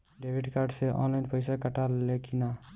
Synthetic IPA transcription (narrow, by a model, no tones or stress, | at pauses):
ɖebʱiɖkaɾɖseʔɔ̰nlajnpəjsakəʈalekina